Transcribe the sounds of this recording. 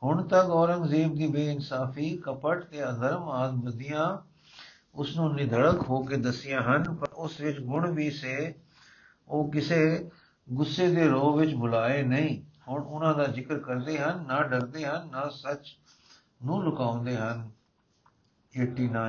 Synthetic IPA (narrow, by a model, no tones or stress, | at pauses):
hʊɳt̪əkɔːɾəŋɡzeːb̚d̪iːbeːɪnsaːfʰiːkəpəʈt̪eːəd̪əɾmaːzbəd̪ɪjãː | ʊsnũːnĩːd̪ʱəɽəkɦoːkeːd̪əsɪjãːɦənpəɾʊsʋɪt͡ʃɡʊɳʋiːseː | oːkɪseː | ɡʊsːeːd̪eːɾoːʋɪt͡ʃbʊlaːeːnəĩːhʊɳʊnãːd̪aːzɪkɾkəɾd̪eːɦənːaːɖəɾd̪eːɦənːaːsət͡ʃ | nũːlʊkaːʊ̃nd̪eːɦən | eːʈiːnaː